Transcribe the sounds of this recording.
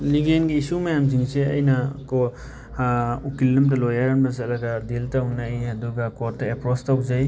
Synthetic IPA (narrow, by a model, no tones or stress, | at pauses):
liɡenɡiisumajamziŋseɐ̰jnakɔ | ukilːɯmtalɔjaɾanbasalaɡadiltauŋnajɦaduɡakɔɾtaepɾɔstauzaj